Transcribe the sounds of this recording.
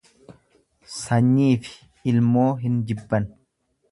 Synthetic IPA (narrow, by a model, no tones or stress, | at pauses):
sɐɲːiːfɪ̥ | ɪlmo̞ːɦɪnd͡ʒɪbːɐn